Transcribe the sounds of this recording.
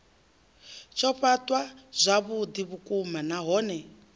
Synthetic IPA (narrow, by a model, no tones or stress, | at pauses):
t͡ʃʰɔɸatʼwaz̥ʷaβud̪iβukʼumanaɦɔːnɛ